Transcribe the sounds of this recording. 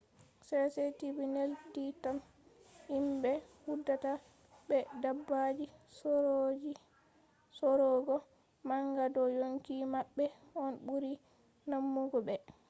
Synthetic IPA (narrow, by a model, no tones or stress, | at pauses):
sɛsetibinelditam | imbɛhudːata | bɛdabːad͡ʒisd͡ʒ | sɔɾɔɡɔ | maŋɡadɔjoŋkimaɓːɛ | ɔnɓuɾi | namːuɡɔbɛ